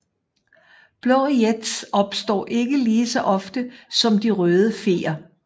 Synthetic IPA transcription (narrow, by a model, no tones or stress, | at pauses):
b̥lɒʁied̥sɒ̽b̥sd̥ɒ̰ːʔe̝ɡ̥əliːsɒ̽ʔɒ̽fd̥əsɒ̽md̥iʁœːð̞ˠəfe̝̰ːɐ